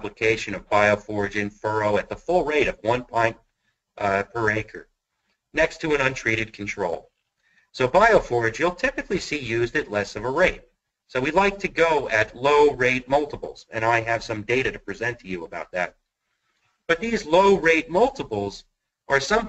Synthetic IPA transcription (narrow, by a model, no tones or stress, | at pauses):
bləkʰeɪʃɨ̃nʌvbaɪoʊfɔɹɨd͡ʒɨ̃nfɜ˞oʊɨt̪̚ðəfʊlˠɹeɪɾʌvwʌ̃npʰɔ̃ɪ̃n | pʰə˞eɪkʰə̰˞ | nɛkstʰɨɨ̃ñʌ̃ntʰɹ̥iɾɨd̚kʰn̩tʰɹ̥oʊlˠ | soʊbaɪoʊfɔɹɨd͡ʒjulˠtʰɪpɨklisijʉzdɨtˡlɛsʌvəɹeɪt̚ | soʊwilaɪk̚tʰɨɡoʊɨtˡloʊɹeɪt̚mʌlˠtəpl̩ˠz̥ɨ̰̃ñaɪɨv̥sʌ̃mdeɪɾɨɾɨpʰɹ̥izɛ̃ntʰɨjɨəbaʊt̪̚ðɨ̰t̚ | b̥ʌt̪̚ðizloʊɹeɪt̚mʌlˠtəpl̩ˠz | ʔə˞sʌ̃m